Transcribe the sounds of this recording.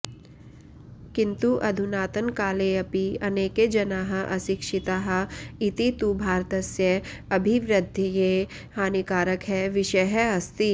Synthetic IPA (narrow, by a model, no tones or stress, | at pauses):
kɪ̃nt̪uʔɐd̪ʱunaːt̪ənkaːleɐpiɐneːked͡ʒɐnaːɦɐʔɐ̰sɪkʃɪt̪aːɦɐɪt̪it̪ubʱaːɾt̪ɐsjɐɐbʱiʋɾɪd̪ʱːjəje | haːnikaːɾəkɦɛʋɪʃɐjɦɛɐst̪i